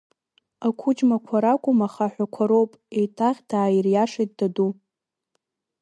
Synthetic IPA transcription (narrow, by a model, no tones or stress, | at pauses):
akʷʰud͡ʒmakʷʰaɾakʷʼʊmaχaħʷᶣakʷʰaɾo̞wpʼe̞jtʼaʁʲdaːjirjaʂejt̚dadu